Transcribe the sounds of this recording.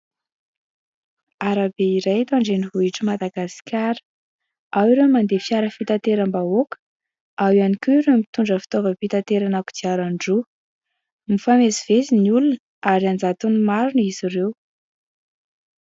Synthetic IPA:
aɾabeiɾajt̪aɳɖ͡ʐeniɦuiʈ͡ʂimad̪aɡasi̥kʲaɾə̥ | awiɾemand̪efiaɾəfit̪at̪eɾambaokə̥ | awanikʲuiɾemit̪uɳɖ͡ʐəfi̥t̪ovəpit̪at̪eɾanaku̥d̪iaɾaɳɖ͡ʐu | mifamesiv̥esiniulun | aɾiand͡zat̪unumaɾunizirew

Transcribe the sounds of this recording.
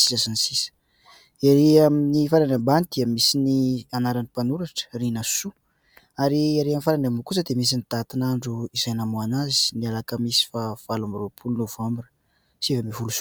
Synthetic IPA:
si̥sasanisisə̥ | iɾeaminifaɾanambanid̪̥iəmisinianaɾanipanuɾaʈ͡ʂə̥rinasu | aɾiaɾeamifaɾanambukus̬əd̪emis̬init̪at̪inaɳɖ͡ʐuiz̥ajnamoanazi̥nialakəmisi̥fav̥alamiropʰulunovambinə̥ | sivamifulusu̥

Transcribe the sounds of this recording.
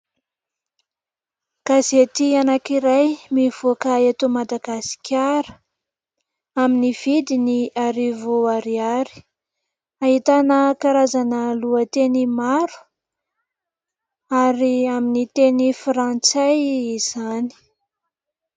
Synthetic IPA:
kazet̪ianakiɾajmiv̥okaet̪omad̪aɡasi̥kʲaɾə̥ | aminiv̥id̪iniaɾivoaɾiaɾi̥ | aɦit̪anəkaɾazanəluət̪enimaɾu̥ | aɾiaminit̪enifɾant͡sajiz̥ani̥

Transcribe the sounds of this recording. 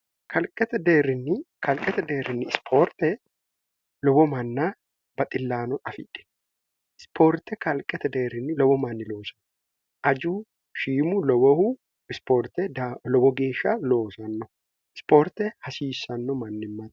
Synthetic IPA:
kʰɐlkʼɛt̪ɛd̪eːɾɪnːɪ | kʰɐlkʼɛt̪ɛd̪eːɾɪnːɪspʰoːɾt̪ɛ | lɔbɔmɐnːaː | bɐt̪ʼɪlːaːnɔnɐfɪ̰ᶑɛ̥ | ɪspʰoːɾt̪ɛkɐlkʼɛt̪ɛd̪eːɾɪnːɪlɔbɔmɐnːɪlo̞ːsɐ̥nːɔ | ʔɐd͡ʒuː | ʃiːmulɔbɔhu | ɪspoɾt̪ɛd̪alɔbɔɡe̞ːʃːaːlo̞ːsɐnːɔ | ɪ̥spoːɾt̪ɛhɐsiːsɐnːɔmɐnːɪmːɐt̪

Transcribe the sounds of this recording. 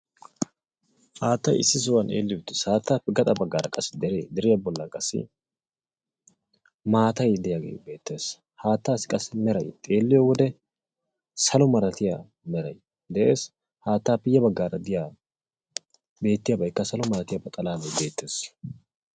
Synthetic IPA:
haːt̪ːɐjɪ̰sːɪs̬ʊwɐnʔḛːlːɪjʊt̪ːɛ̥saːt̪ːaːpːɛɡɐt̪ʼɐbɐɡːaːɾɐkʼɐsːɪd̪ɛɾḛːd̪ɛɾɪjɐbɔlːɐkʼɐsːɪ̰ | maːt̪ɐjd̪ɪjaɡḛjbe̞ːt̪ːe̞ːs | haːt̪ːaːsɪ̥kʼɐsːɪmɛɾɐjt̪ʼe̞ːlːɪjɔwɔd̪ɛ | sɐlɔmɐɾɐt̪ɪjaː | mɛɾɐ̰j | d̪ɛʔe̞ːs | haːt̪ːaːpːɛjɐbɐɡːaːɾɐd̪ɪjaː | be̞ːt̪ːɪjabɐjkːɐsɐlɔmɐɾɐt̪ɪjɐbɐt̪ʼɐlaːbɐjbe̞ːt̪ːe̞ːs

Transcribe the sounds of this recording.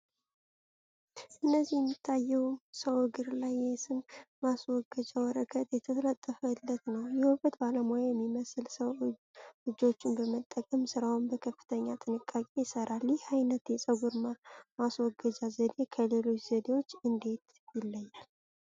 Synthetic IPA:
ʔɨnːəzːihjɛmːit̪ʰːajɛwsəwɨɡɨɾlajːɛsɨnmaswɔɡəd͡ʒawɔɾəɡʰət̪ʼjɛt̪ʰəlat̪ʼːəfəɨlːət̪nəwjɛwufət̪baləmojajɛmːiməsɨlsəw | lɨd͡ʒo̞t͡ʃːɪnbəmət̪ʼːəkʼəmsɨɾawnbəkʰəfːɨ̥t̪ʰəɲːat̪ʼɨnɨkʼːakʼe̞jɪsəɾʔaljɛhajnət̪jɛsʼəɡuɾmamaswɔɡːəd͡ʒazəd̪e̞kʰəlelo̞t͡ʃz̥əd̪e̞wo̞t͡ʃːɨnd̪e̞t̪ | jɪlːəjːal

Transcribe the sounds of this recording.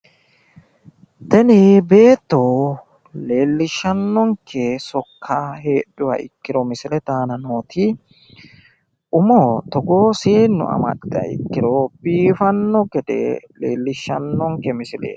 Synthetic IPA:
t̪ɐnɪbe̞ːt̪ːo | le̞ːlːɪʃːɐnːɔŋkʰːɛsɔkːaɦe̞ːɗːʊwɐ̰ʔɪ̰kːɪɾɔmɪsɪlɛt̪aːnɐnoːt̪ʰɪ | ʔʊmot̪ɔɡoːseːnːʊ̰ɐ̰mɐ̰tɪɐ̰ɪ̰kːɪɾɔb̥iːfɐnːɔɡɛd̪ɛ̰lḛːlːɪʃːɐnːɔŋkɛmɪsɪlḛː

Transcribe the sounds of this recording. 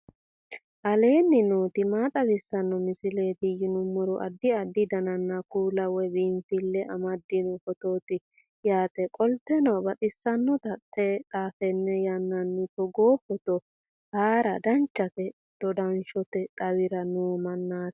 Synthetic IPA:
ʔɐle̞ːnːɪnoːt̪ɪmaːt̪ʼɐbɪsːɐnːɔmɪsɪle̞ːt̪ɪjɪnʊmːɔɾɔʔɐ̰d̪ːɪɐd̪ːɪd̪ɐnɐnːɐkuːlɐwɛbɪmfɪlːɛʔɐmɐd̪ːɪnɔkɔt̪o̞ːt̪ɪ | jaːt̪ɛkʼɔlt̪ːɛnɐbɐt̪ʼɪsːɐnːɔt̪ɐt̪ʰʼːɛt̪ʼaːfɛnːɛjɐnːɐnːɪkɔɡoːpːɔt̪ɔ | haːɾɐd̪ɐnt͡ʃːɐt̪ɛ | d̪̥ɔd̪ɐnʃɔt̪ɛt̪ʼɐwɪɾɐnoːmɐnːaːt̪

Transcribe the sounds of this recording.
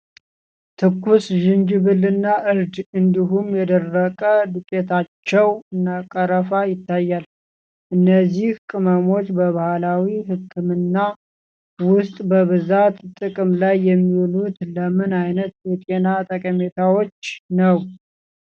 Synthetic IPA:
t̪ʰɨkʰːusʒɪnd͡ʒβɨlːɨnːaʔɨɾd̪ɨnd̪iɦumjɛd̪ərːəkʼəd̪ɨkʼet̪ʰat͡ʃːɛwɨnːakʼəɾəfajɪt̪ːajːal | ʔɨnːəzːihkʼɨməmo̞t͡ʃːbəβahalawiɦɨkʰːɨmɨnːa | wʊst̪ʼbəβɨzat̪t̪ʼɨkʼɨmlajːɛmːiwlut̪ləmɨnajnət̪wɛt̪ʼenat̪ʼəkʼəmet̪ʰawo̞t͡ʃːnəw

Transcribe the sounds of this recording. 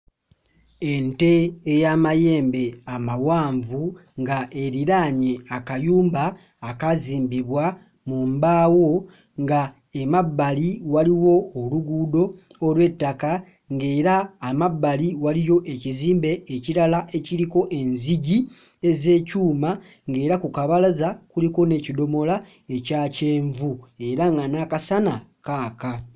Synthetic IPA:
e̞nte̞ːjamaje̞ːmbe̞amawaːɱvuŋɡaʔe̞ɾiɾaɲe̞akajuːmbaː | kaziːmbiβwa | mumbaːwo̞ | ŋɡa | emabːaliwaliwo̞ːluɡuːdo̞ːlwe̞tːaka | ŋɡe̞ːɾaːmabːaliwalijo̞ʔe̞ciziːmbe̞ːciɾalaʔe̞ciɾiko̞ʔe̞nziɟi | e̞ze̞ːcuːma | ŋɡe̞ːɾakukaβalazakuliko̞ne̞ːcido̞mo̞la | e̞caːce̞ːɱvue̞ɾaŋɡanakasanakaːka

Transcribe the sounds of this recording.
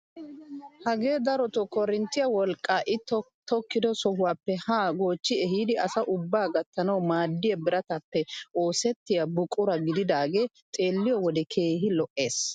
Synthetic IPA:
hɐɡe̞ːd̪ɐɾɔt̪ɔkɔɾɪnt̪ːɪjɐwɔlkʼːaːʔɪt̪ | t̪ɔkːɪd̪ɔsɔhʊwaːpːɛhaːɡo̞ːt͡ʃːɪɛɦiːd̪ɪʔɐsɐʔʊbːaːɡɐt̪ːɐnɐwmaːd̪ːɪjɐbɪɾɐt̪ɐpːɛʔoːsɛt̪ːɪjɐbʊkʼʊɾɐɡɪd̪ɪd̪aːɡe̞ː | t̪ʼe̞ːlːɪjɔwɔd̪ɛkʰe̞ːɦɪlɔʔe̞ːs

